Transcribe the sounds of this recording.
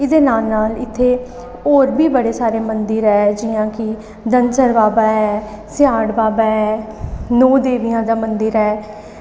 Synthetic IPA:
ɪd̪eːnaːlnaːlɪt̪ʰːeː | oːɾbʱiːbəɽeːsaːɾeːmənd̪ɪɾɛːd͡ʒɪjãːkɪ | d̪ənsəɾbaːbaːɛː | sɪjaːɽbaːbaːɦɛːnoːd̪eːʋijãːd̪aːmənd̪ɪɾɛː

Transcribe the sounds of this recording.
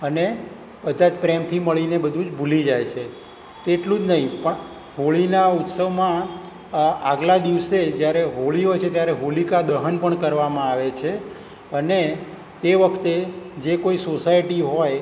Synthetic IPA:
əne | bəd̪ʱad͡ʒpɾemt̪ʰiməɭinebəd̪ʱũd͡ʒbʱulid͡ʒajt͡ʃʰe | t̪eʈlũd͡ʒnəɦĩpəɳ | ɦoɭinaut̪səʋmã | aɡlad̪iʋsed͡ʒjaɾeɦoɭiɦojt͡ʃʰet̪jaɾeɦolikad̪əɦənpəɳkəɾʋamãaʋet͡ʃʰe | əne | t̪eʋəkʰt̪ed͡ʒekoisosajʈiɦoj

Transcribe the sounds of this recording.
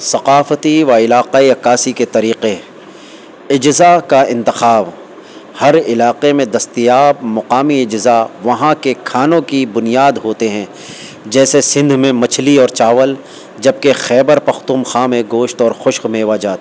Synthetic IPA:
sɐqaːfət̪iʋaɪlaːqaːiɐkaːsiket̪ɐɾiːqe | ɪd͡ʒzakaɪ̃nt̪ɪxaːʋ | hɐɾɪlaːqemẽd̪ɐst̪ijaːb̚mɐqaːmiɪd͡ʒzaʋɐɦãkekʰaːnõkibʊnijaːd̪ɦoːt̪eɦɛ̃ː | d͡ʒɛːsesɪ̃nd̪ʱmẽmɐt͡ʃʰliɔːɾt͡ʃaːʋəl | d͡ʒɐb̚kexɛːbəɾpɐxt̪uːmxãːmẽɡoːʃt̪ɔːɾxʊʃqmeːʋad͡ʒaːt̪ː

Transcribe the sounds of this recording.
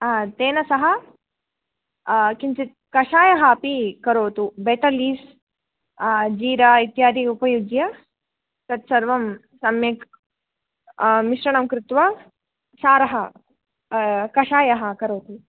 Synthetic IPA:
t̪eːnɐsɐɦɐ | kint͡ʃit̪̚kɐʂaːjɐɦɐpikɐɾoːt̪ubeːʈ̪ɐliːs | d͡ʒiːɾɐit̪jaːd̪iupɐjuɡjɐ | t̪ɐt̪sɐɾʋɐm | sɐmjɐk | miʃɾɐɳɐmkɾɪt̪ʋɐ | saːɾɐɦɐ | kɐʃaːjɐɦɐ̆kɐɾoːt̪u

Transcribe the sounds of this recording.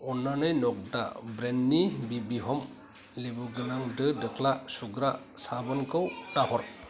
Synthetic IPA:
ɔnːanɯjnɔk̚da̰bɾenːibibiɦɔm | lebuɡɯnaŋdɯdɯkʰlasuɡɾasabɯnkʰɯwtahɔɾt̚

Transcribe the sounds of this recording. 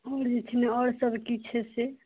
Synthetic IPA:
ɔːɾd͡ʒet̪ʰineɔɽsəbkit͡ʃʰɛse

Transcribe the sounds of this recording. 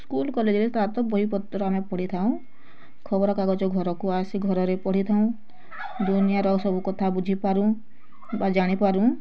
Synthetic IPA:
skulkɔled͡ʒiɾest̪at̪ɔbɔɦipɔt̪ːɾɔamepɔɽ̤it̪ʰaũ | kʰɔbɔɾɔkaɡɔt͡ʃɔɡʱɔɾɔkuasiɡʱɔɾɔɾepɔɽ̤it̪ʰaũ | d̪unijaɾɔsɔbʱukɔt̪ʰabud͡ʒʱipaɾũ | bad͡ʒaɽ̃ipaɾũ

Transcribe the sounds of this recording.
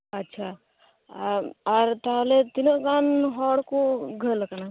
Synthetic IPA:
ɐtːʃʰa | aɾʈalet̪inoɡanɦɔɽkoɡʱəlkəna

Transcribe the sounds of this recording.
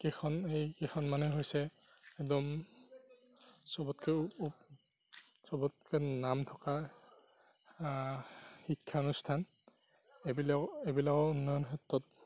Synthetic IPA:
kɛxʰɔnejkexʰɔnmanɛɦojsɛ | ɛkdɔm | sɔbɔtkɛup | sɔbɔt̚kɛnamtʰɔ̥ka | xikʰːaɔnustʰan | ebilakebilakɔunːɔjɔnxʰɛtːɔt̚

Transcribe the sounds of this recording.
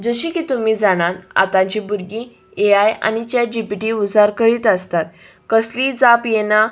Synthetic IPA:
d͡zəɕikiːt̪um̤iːd͡zaɽ̃at̪a̰t̪ãɲt͡ɕibuɾɡiː | eaja̰ɽit͡ɕjad͡ʑipiʈiːud͡zaɾkəɾiːt̪əst̪at̪̚ | kəsliːd͡zapjena

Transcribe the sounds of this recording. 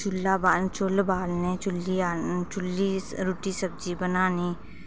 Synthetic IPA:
t͡ʃʊlːabaːlt͡ʃʊlbaːlnet͡ʃʊlːiat͡ʃʊlːiɾʊʈisəb̚d͡ʒibənaːni

